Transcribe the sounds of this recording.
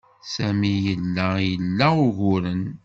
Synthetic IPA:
sæmijəlːæjəlːæʊʝʊɾən

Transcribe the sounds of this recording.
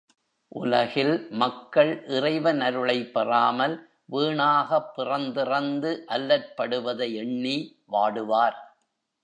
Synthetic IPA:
ʔʊ̰lɐɣɪlmɐkːɐɭʔɪrɐɪʋɐnɐɾɯɭɐɪpːɛraːmɐl | ʋiːɳaːɣɐpːɪrɐnd̪ɪrɐnd̪ɯʔɐlːɐɾpːɐɽɯʋɐðɐɛɳːiː | ʋaːɽɯʋaːɾ

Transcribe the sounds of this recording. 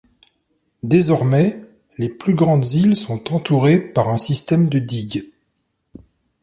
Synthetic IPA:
d̪ezɔʁmɛ | leplyɡʁɑ̃d̪zilsɔ̃t̪ɑ̃t̪uʁepaʁɛ̃sist̪ɛmd̪əd̪iɡ

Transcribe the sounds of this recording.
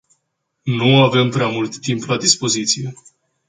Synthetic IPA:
nuave̞mpɾeamult̪ːimplad̪ispo̞zit̪sije̞

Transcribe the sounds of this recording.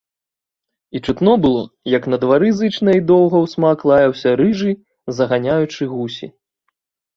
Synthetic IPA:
it͡ʂɨt̪nɔbɨlˠɔ̰jɐknɐd̪vaɾɨzɨt͡ʂnɐid̪ɔwɣɐwsmaklˠajɐwsʲɐɾɨʐɨ | zɐɣanʲajut͡ʂɨɣusʲḭ

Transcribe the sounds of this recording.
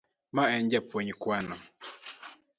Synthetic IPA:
maɛɲd͡ʒapoɲikwanɔ

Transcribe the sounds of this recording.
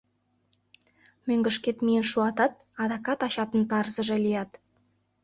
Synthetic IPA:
mɵŋɡɘ̆ʃkʲet̪mijenʃuɑt̪ɑt̪̚ɑd̪ɑkɑt̪ɑɕɑt̪ənt̪ɑrzəʒɑlʲijɑt̪

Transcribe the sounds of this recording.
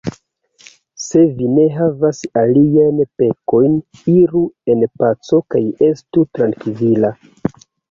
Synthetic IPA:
se̞vine̞ɦavasaliajnpe̞ko̞jniɾue̞npat͡so̞kaje̞stutɾaŋkivila

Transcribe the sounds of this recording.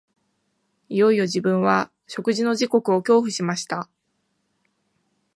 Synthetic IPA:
ijo̞ijo̞ʑibɯ̟̃ɰ̃βa | ɕo̞kɯ̟ʑino̞ʑiko̞kɯ̟o̞kʲo̞ːɸɯ̟ɕimaɕi̥t̪a

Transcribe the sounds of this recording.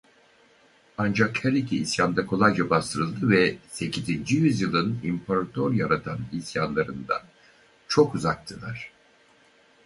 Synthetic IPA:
and͡ʒakhɛlʲicʰiisjand̪akʰo̞lˠajd͡ʒabast̪ʰɯɾɯlˠd̪ɯvɛse̞cʰizind͡ʒijyzjɯlˠɯnimpʰaɾat̪ʰoɾjaɾat̪ʰanisjanlˠaɾɯnd̪a̰n | t͡ʃʰo̞kuzak̚t̪ʰɯlˠaɾ̥

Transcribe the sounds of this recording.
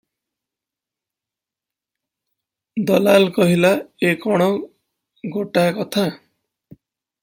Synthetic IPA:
d̪ɔlalkɔɦilaekɔɽ̃ɔ | ɡoʈakɔt̪ʰa

